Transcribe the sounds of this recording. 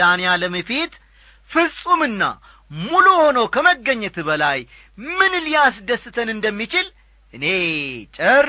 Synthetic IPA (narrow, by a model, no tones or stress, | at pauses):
anijaləməfit̪ | fɨsʼumɨnːa̰ | muluho̞nowkʰəməɡːəɲːət̪bəlaj | mɨnlijasd̪əsːɨt̪ʰənɨnd̪əmːit͡ʃɪl | ʔɨne̞t͡ʃʼəɾ